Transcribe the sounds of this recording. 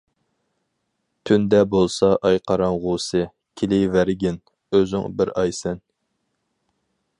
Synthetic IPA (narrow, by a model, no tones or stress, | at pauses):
t̪ʰynd̪ɛbolˠsɑʔɑjqʰɑɾɑnʁusɨ | kʲʰilɪvæɾɡʲɪn | øzy̰ŋbɪɾɑjsɛn